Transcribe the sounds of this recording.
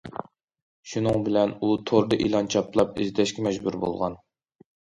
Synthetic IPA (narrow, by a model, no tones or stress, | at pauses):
ʃunɨŋbɪlɛnut̪ʰoɾd̪ɨʔilˠɑnt͡ʃʰɑplˠɑp̚ɪ̰zd̪ɛʃkʲɛmɛd͡ʒbuɾbo̰lˠʁɑn